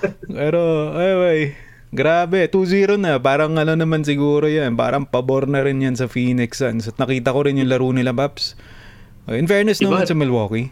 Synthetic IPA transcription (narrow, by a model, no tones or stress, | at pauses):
pɛːɾo̞ʔajwaj | ɡɾaːbɛt̪uːziːɾonɐpaːɾɐŋɐno̞nɐmans̬ɪɡuːɾo̞janpa̰ːɾɐŋpɐboɾnɐɾɪnjansɐfiːnɪksjansɐt̪̚nɐkiːt̪ɐko̞ɾɪnjʊŋlɐɾuːnɪlabaps | ʔojʔɪnfɛɹnɛsnɐmmansɐmɐlwoːki